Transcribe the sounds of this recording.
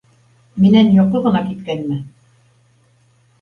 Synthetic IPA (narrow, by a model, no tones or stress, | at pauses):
minænjoqɤʁɤ̆nɑkit̪kænmɘ